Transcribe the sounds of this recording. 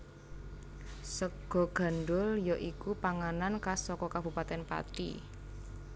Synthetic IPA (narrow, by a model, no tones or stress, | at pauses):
səɡ̥ɔ̤ɡ̥a̤nɖʊljɔʔikupaŋanankasɔkɔkab̥ṳpat̪ɛnpa̰t̪ḭ